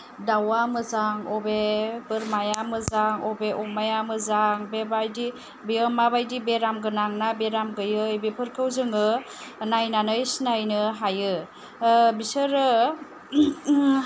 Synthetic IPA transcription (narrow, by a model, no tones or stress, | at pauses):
dawamɯzaŋɔbebɯɾmajamɯzaŋɔbeʔɔmajamɯzaŋbebajdi | beɯmabajdibeɾamɡɯnaŋnabeɾamɡɯjɯjbepʰɯɾkʰɯwzɯŋɯ | najnanɯjsnajnɯɦajɯ | bisɯɾɯ